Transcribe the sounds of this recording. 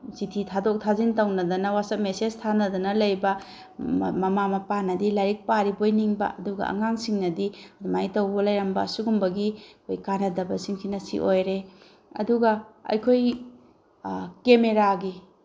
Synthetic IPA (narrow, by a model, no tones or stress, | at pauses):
sitʰitʰadok̚tʰazintɐwnɐdɐnɐwasɐp̚meseztʰanɐdɐnɐlɐjbɐ | mɐmamɐpanɐdilaɾik̚paɾibojniŋbɐ̰ʔɐduɡɐ̰ɐ̰ŋaŋsiŋnɐdiɐdumajtɐwbɐlɐjɾɐmbɐsuɡumbɐɡikʰojkanɐdɐbɐsiŋkʰinɐsḭʔojɾe | ɐ̰duɡɐɐ̰jkʰoj | kemeɾaɡi